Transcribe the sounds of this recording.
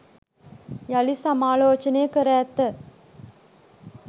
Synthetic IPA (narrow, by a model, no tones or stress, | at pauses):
jɐlisamaːloːt͡ʃɐnejəkəɾaːt̪ːə